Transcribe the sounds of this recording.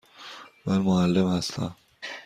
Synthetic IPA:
mænmoælːemhæst̪ʰæ̰m

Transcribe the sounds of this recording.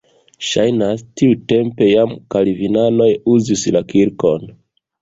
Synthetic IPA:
ʃajnastiute̞mpe̞jamkalivinano̞juzislakiɾko̞n

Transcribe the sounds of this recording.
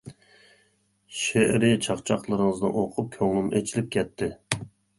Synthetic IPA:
ʃeʔɾɪt͡ʃʰɑχt͡ʃʰɑqlˠəɾəŋəzd̪ɨ̰nʔoqʰʊp̚kʲʰøŋlɪmʔet͡ʃʰilɪp̚kʲʰɛt̪ʰːɪ

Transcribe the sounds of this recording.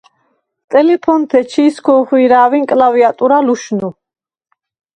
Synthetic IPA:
t̪ʼɛlɛpʰɔnt̪ʰɛt͡ʃʰiːskʰɔχwiɾaːviŋkʼlaviat̪ʼuɾaluʃnu

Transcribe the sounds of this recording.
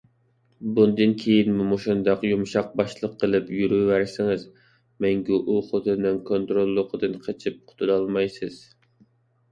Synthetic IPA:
bund̪ɨnkʲʰejinmumoʃund̪ɑqjumʃɑq̚bɑʃlˠəqʰːəlˠɨpjyɾyːæɾsɪŋɨz | mɛŋɡʲiʔuχot̪ʰɨnɨŋkʰont̪ɾolˠːʊqʰəd̪ɨnqʰet͡ʃʰip̚qʰʊ̥t̪ʰud̪ɑlˠmɑjsɨz̥

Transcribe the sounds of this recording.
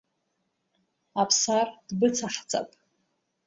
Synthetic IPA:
apʰsard̥bɨt͡sʰaħt͡sʼa̰pʼ

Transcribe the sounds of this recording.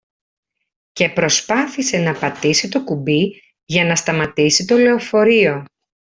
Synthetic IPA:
ce̞pɾo̞spɐθise̞nɐpɐt̪isit̪o̞kubi | ʝɐnɐst̪ɐmɐt̪isit̪o̞le̞ofo̞ɾio̞

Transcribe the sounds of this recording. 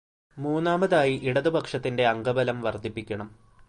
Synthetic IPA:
muːnːaːmɐðaːjiʔiɽɐðubɐkʂɐt̪ːinde̞ɐŋɡɐbɐlɐmʋɐrd̪ʱipːikʲːɐɳɐm

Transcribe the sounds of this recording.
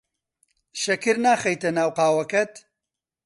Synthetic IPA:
ʃɐkɨɾnaːxɐjt̪ɐnaːwqaːwɐkɐt̪

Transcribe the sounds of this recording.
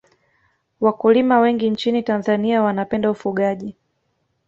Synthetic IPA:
wakulimawɛŋɡint͡ʃinitanzaniawanapɛndaufuɠaʄi

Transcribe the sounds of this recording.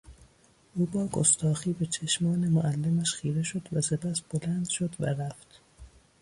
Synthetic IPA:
ʔuːbɒːko̰st̪ʰɒːxiːbet͡ʃʰeʃmɒːnemoʔælːemæʃxiːɾeʃo̞d̪væsepʰæsb̥olænd̪̥ʃod̪væ̰ɾæft̪

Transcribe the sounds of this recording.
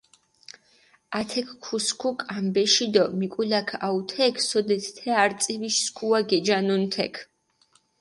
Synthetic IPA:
at̪ʰɛkʰkʰːuskʰukʼambɛʃid̪ɔmikʼulakʰaut̪ʰɛkʰsɔd̪ɛt̪ʰɛaɾt̪sʼiviʃskʰuaɡɛd͡ʒanunt̪ʰɛ̰kʰ

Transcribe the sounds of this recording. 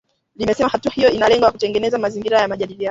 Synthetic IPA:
limɛsɛmahatuahijɔinalɛŋɡɔjakutɛŋɡɛnɛzamaziŋɡiɾajamaʄaɗilijanɔ

